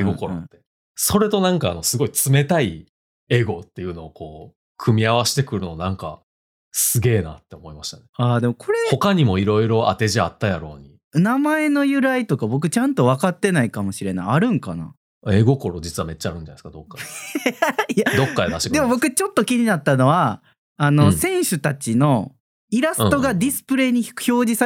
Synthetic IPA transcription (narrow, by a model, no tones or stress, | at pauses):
eɡoko̞ɾo̰t̪ːe̞ | so̞ɾe̞t̪o̞nãŋkaːno̞sɨɡo̞it͡sɨme̞t̪ai | e̞ɡo̞t̪ːe̞jɯ̟no̞ːkʰo̞ː | kʰɯ̟mʲiaβ̞aɕi̥t̪e̞kɯ̟ɾɯ̟nonãŋka̰ | sɨɡe̞ːnat̪ːe̞omo̞imaɕi̥t̪aneaːd̪e̞mokʰo̞ɾeho̞kaɲ̟imo̞iɾo̞iɾo̞ʔa̰t̪e̞ʑiat̪ːajaɾo̞̰ːɲi | namae̞no̞jɯ̟ɾait̪o̞kabo̞k̬ɯ̟t͡ɕãnt̪o̞β̞akat̪ːe̞naikamo̞ɕiɾe̞na̰iaɾɯ̟̃ŋkana̰ | eːɡo̞ko̞ɾo̞d͡ʑit͡sɨβame̞tt͡ɕːaɾɯ̟ɲd͡ʑanaeskad̪o̞kːa | jad̪o̞kːad̪ed̪aɕid̪emobo̞kɯ̟t͡ɕo̞t̪ːo̞kʲiɲ̟inat̪ːano̞βa | anosẽ̞ɰ̃ɕɨt̪at͡ɕino̞ | iɾasɨ̥̃t̪o̞ɡad̪ʲisɨ̥pɯ̟ɾe̞ːɲ̟iç̥kɯ̟̥ço̞ːʑisa